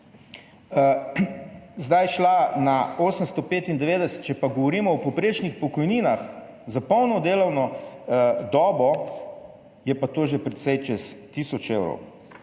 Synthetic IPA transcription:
zd̪ajʃlanaoːsəmst̪ɔpeːt̪ind̪ɛʋeːd̪ɛsɛ̥t̪̚t͡ʃɛpaɡɔʋɔɾiːmɔɔpɔpɾeːt͡ʃnixpɔkɔjniːnax | zapɔwnɔd̪eːlɔwnɔ | d̪ɔːbɔ | jɛpat̪oːʒɛpɾɛt̪sɛjt͡ʃɛst̪iːsɔt͡ʃewɾɔ̰w

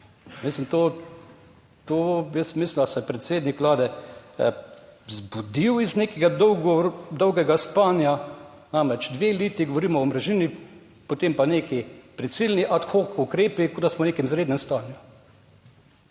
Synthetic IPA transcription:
mislint̪o | t̪ojəsmiːslind̪asɛpɾɛt̪seːd̪nikʋlaːd̪ɛ | zbud̪iwizneːkɛɡad̪ɔwɡɔd̪ɔwɡɛɡaspanja | namɾɛt͡ʃd̪ʋeːliːt̪iɡoʋoɾiːmɔɔmɾɛʒiːni | pot̪empaneːkipɾit̪silniʔat̪xokukɾeːpikod̪asmɔneːkɛmzɾeːd̪nɛmst̪aːnju

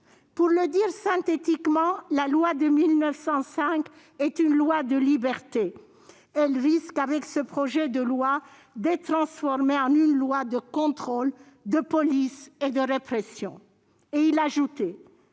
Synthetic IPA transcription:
puʁləd̪iʁsɛ̃t̪et̪ikmɑ̃lalwad̪əmilnəfsɑ̃sɛ̃k | ɛt̪ynlwad̪əlibɛʁt̪e | ɛlʁiskavɛksəpχɔʒɛd̪əlwa | d̪ɛt̪χɑ̃sfɔʁmeɑ̃nynlwad̪əkɔ̃t̪χɔl | d̪əpɔlised̪əʁepχesjɔ̰̃ | eilaʒut̪ɛ

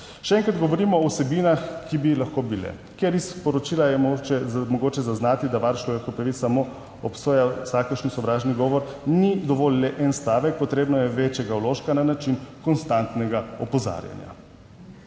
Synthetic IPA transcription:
ʃɛɛːŋkɾad̪ɡɔʋɔɾiːmɔːwsɛbiːnaxkibilaxkobilɛ̰ | keɾispɔɾɔt͡ʃiːlajɛɛmɔɡoːt͡ʃɛzaznaːt̪id̪aʋaɾt͡ʃloʋɛkɔpɾaʋit̪samo | ɔpsoːjasakəɾʃnsɔʋɾaːʒniɡɔːʋɔɾ | nid̪ɔʋoːllɛʔɛnst̪aːʋɛk̚pɔt̪ɾeːbnɔjɛʋeːt͡ʃjɛɡaɔloːʃkananat͡ʃinkɔnst̪ant̪nɛɡaɔpɔza̰ːɾja̰nja̰

